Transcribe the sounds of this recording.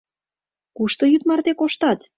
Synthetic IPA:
kuʃt̪ojyt̪mɑrt̪ekoʃt̪ɑt̪

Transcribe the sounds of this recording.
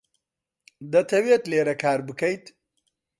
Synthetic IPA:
d̪ɐt̪ʰɐwet̪leːɾɐkʰaːɾbɨkʰɐjt̪

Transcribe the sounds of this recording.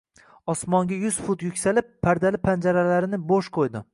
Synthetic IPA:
ɒsmɒŋɡʲajʊz̥fʊt̪jʊkʲsalɪpʰːaɾd̪alɪpʰand͡ʒaɾalaɾɪnɪboʃqʰojd̪ɪ

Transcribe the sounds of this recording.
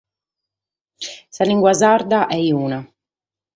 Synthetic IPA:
saliŋɡwazaɾd̪aʔɛjuːna

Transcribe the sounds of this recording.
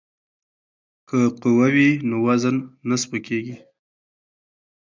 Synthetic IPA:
kəqʊwawinowazənːaspəkeɡi

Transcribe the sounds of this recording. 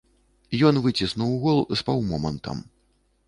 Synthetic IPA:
jɔnvɨt͡sʲisnuwɣɔlˠspawmɔmɐnt̪ʰɐ̰m

